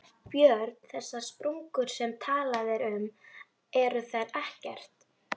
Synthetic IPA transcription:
pjœɾt̪n̥θɛsːaspɾuŋkʏɾ̥sɛmt̪ʰaːlaðɛɾʏm | ɛɾʏθajɾɛhcɛr̥t̪

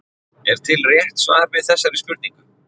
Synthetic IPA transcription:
ɛɾ̥t̪ʰɪlrjɛht̪svaːɾvɪðθɛsːaɾɪspʏɾt̪niŋkʏ

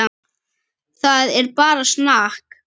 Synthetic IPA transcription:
a | θaðɛɾpaːɾasnahk

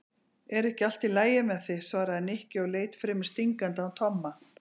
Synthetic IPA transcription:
ɛɾɛhcɪal̥t̪ilaːjɪmɛðθɪsvaːɾaɛnehcɪɔɣleːjt̪fɾɪːmɪ̥st̪iŋkant̪aːwt̪ʰɔmːa

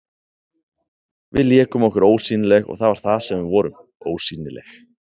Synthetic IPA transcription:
vɪ̰ðljɛːkʏmɔhkʏɾoːwsiːnɪlɛɣɔ̰ɣθaðvaɾ̥θaðsɛmvɪvɔːɾʏm | oːwsiːnɪlɛ̰x

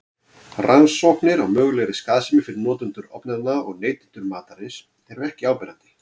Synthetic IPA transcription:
ransɔknɪɾawmœːɣlɛɣɾɪskaːðsɪmɪfɪɾɪɾnɔːt̪ʏnt̪ʏɾɔ̰pnaðnaɔɣneːjt̪ɪ̥nt̪ʏɾmaːt̪aɾɪs | ɛɾvɛhcɪaːwpɛɾant̪ɪ̥

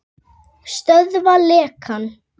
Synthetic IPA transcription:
st̪œðvalɛːkʰan

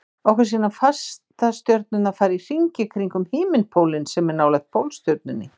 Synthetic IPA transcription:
ɔwkvas̬iːnafast̪ast̪jœɾt̪̚nʏnafaːɾir̥iɲcɪkʰɾiŋkʏmhɪːmɪnpʰowlɪnsɛmɛɾnaːwlaxt̪̚pʰowlst̪jœɾt̪̚nʏnːɪ̰

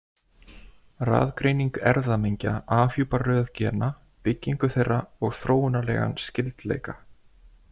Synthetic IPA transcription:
ra̰ːðkɾejniŋkɛɾðamejɲcaʔaːfjuwparœːðcɛːna | pɪcːiŋkʏθejrːaɔɣθɾoːwʏnalɛ̰ːɣa̰nscɪlt̪lḛjka

